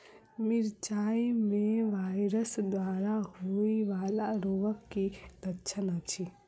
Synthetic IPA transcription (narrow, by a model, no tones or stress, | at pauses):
mɪɾt͡ʃaːimẽʋaːɪɾəsd̪waːɾaɦoiʋaːlaɾoːʋəkːid̪ətːt͡ʃʰənat͡ʃʰi